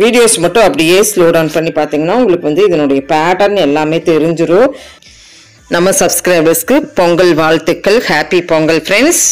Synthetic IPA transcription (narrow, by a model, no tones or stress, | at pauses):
ʋiːɽɪjoːsmɐʈːʊ̃ɐpːɐɽɪjeːsloːɖɐʊnpɐɳːipaːɾt̪iːŋɡɐnːaːʊŋɡɐɭɯkːɯʋɐnd̪ɯɪðɐnʊɽɐjɐpaːʈɐɾnɛlːaːmeːt̪ɛɾɯɲd͡ʒɯɾõ | nɐmːɐsɐbskɾɐɪbɐɾskɯpɔŋɡɐlʋaːɭt̪ɪkːɐɭhaːpipɔŋɡɐlfɾɛɳɖs